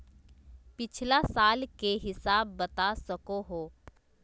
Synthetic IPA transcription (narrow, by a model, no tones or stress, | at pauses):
pɪt͡ʃʰlasaːlkeɦɪsaːbːɐt̪asɐkoɦoː